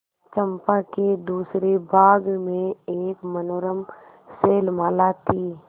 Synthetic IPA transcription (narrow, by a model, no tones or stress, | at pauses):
t͡ʃə̃mpaked̪uːsɾebʱaːɡmẽeːkmənoːɾəm | seːlmaːlat̪ʰiː